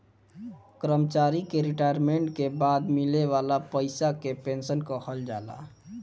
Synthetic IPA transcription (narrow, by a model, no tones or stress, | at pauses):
kɾəmt͡ʃaːɾikeɾiʈaːjəɾmẽɳʈkebaːd̪mɪleʋaːlapəɪsakepẽnsənkɔhəld͡ʒaːla̰